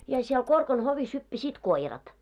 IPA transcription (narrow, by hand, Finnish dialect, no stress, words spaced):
jɑ siel korkɑn hoʋis hypːæsiːt koirɑt